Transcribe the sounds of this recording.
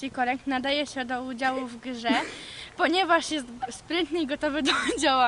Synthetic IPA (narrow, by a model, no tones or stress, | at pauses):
ikɔɾɛŋknad̪ajɛɕɛd̪ɔud͡ʑawuvɡʐɛpɔɲɛvaʂjɛst̪spɾɛnt̪nɘiɡɔt̪ɔvɘd̪ɔd͡ʑawa